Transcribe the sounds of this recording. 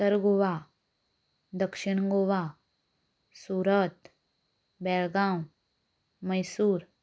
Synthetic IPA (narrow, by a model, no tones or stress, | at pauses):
səɾɡoʋa | d̪əkʂɪɳɡoʋa | suːɾət̪ | bɛlɡãw | məjsuːɾ